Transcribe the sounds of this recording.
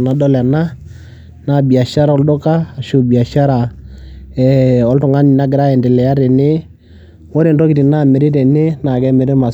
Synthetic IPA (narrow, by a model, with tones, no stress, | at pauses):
na˨dɔ˦lɛ˨na˦ | na˦˨bi˨a˨ʃa˦ɾa˨ɔ˦ldʊ˦kaː˦˨ʃo˦bi˨a˨ʃa˦ɾa˨ | ɛ˨ɔ˨˦ltʊ˨ŋa˦ni˨na˦ɡɪ˨ɾa˦ɛ˨ndɪ˨lɛ˨a˦ɾe˨nɪ˦ | wɔ˦ɾe˨ndɔ˦kɪ˨ti˨na˦˨mɛ˨ɾe˦tɛ˨nɪ˦na˨kɛ˦mɛ˨ɾe˦ma˨